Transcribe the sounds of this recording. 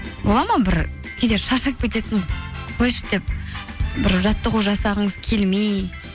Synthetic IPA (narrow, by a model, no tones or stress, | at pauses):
bo̞lˠɑmɑbɪɾ | kʲʰed̪e̞ɾʃɑʃək̚bʲet̪e̞t̪ɪnqʰojʃə̥d̪e̞p̚ | bɪɾʒɑt̪ːəʁuʒɑsɑʁəɴəzkʲʰe̞lmej